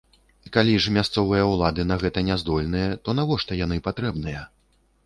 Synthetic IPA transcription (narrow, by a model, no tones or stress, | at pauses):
ikalʲiʐmʲast̪sɔvɨjɐwlˠad̪ɨnɐɣɛt̪ɐnʲɛzd̪ɔlʲnɨjɐt̪ɔnavɔʂt̪ɐjan̪ɨpat̪ɾɛbnɨjɐ